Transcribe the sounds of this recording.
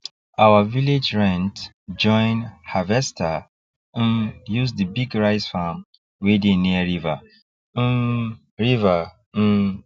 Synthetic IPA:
awaviled͡ʒɹɛ̃nt | d͡ʒɔ̃ɪ̃nhavɛstʰa | n̩jusdibiɡɹaɪsfam | wedeniaɹiva̰ | n̩ | ɹiva | n̩

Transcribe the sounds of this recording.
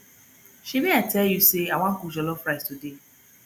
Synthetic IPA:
ʃimeatʰɛljuseawãŋ̩kud͡ʒɔlɔfɾaɪstude

